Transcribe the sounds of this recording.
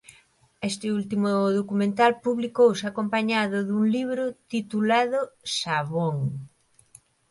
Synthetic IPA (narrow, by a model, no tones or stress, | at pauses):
est̪ɪult̪imʊðokumẽnt̪alpuβlikowsɪakompaɲaðʊðuŋliβɾʊt̪it̪ulaðʊʃaβoŋ